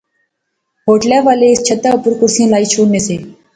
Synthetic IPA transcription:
ɦoːʈljaːʋaːleɪst͡ʃʰət̪aːʊpʊɾkʊɾsijãːlaːiːt͡ʃʰoːɽnːeːseː

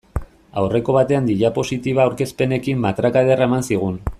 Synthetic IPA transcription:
awre̞ko̞β̞at̪e̞and̪iʎapo̞sit̪iβaːwɾke̞spe̞ne̞kimːat̪ɾakaðeraemansiɣ̞un

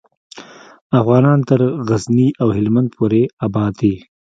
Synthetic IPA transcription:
afɣɑːnɑːnt̪əɾɣazniʔawɦɪlmand̪̚pʰoɾeabɑːd̪i

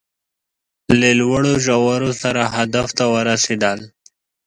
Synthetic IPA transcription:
lelwəɽoʒawaɾosaɾaɦad̪aft̪awəɾased̪əl

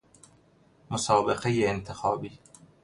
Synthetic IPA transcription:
mosɒːbeqejeːnt̪ʰexɒːbiː

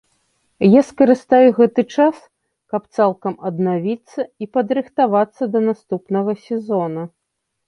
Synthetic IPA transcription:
jaskɐɾɨst̪ajɛɣɛt̪ɨt͡ʂas | kɐpt̪salˠkɐmɐd̪navʲit̪sːɐipɐd̪ɾɨxt̪avat̪sːɐd̪ɐnast̪upnɐɣɐsʲɛzɔnɐ

